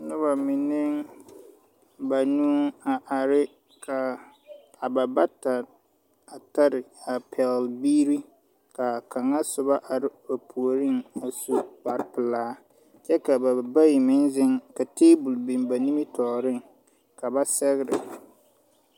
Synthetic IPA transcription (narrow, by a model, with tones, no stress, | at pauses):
nʊ˦ba˨mɪ˨nɪ˦ŋ | ba˨nuː˦a˨ʔa˨ɾɪ˦ | kʰa˨ | a˨ba˨ba˦ta˨ | a˨ta˦ɾɪ˨a˨pʰɛ˨lbiː˦ɾi˦ | ka˨ka˨ŋa˦sʊ˨ba˦ʔa˨ɾɪ˦ba˨pʰu˨o˨ɾɪ˦ŋa˨su˨ba˨ɾɪ˦pɪ˨laː˦ | t͡ʃɛ˦ka˨ba˨ba˦ji˨mɪ˦nzɪ˦ŋka˨teː˦bʊ˨lbɪ˨nba˨ni˦mi˦tɔː˨ɾɪ˦˨ŋ | ka˨ba˦sɛ˦ɣɪ˦ɾɪ̰˨